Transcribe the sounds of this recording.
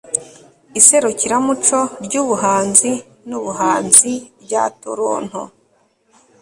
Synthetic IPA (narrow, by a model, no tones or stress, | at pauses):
ise̞ɾuciɾamut͡ʃo̞ɾɟuːβuɦaːnzi | nuβuɦaːnzibɟa̰ːtuɾo̰ːn̥ho̰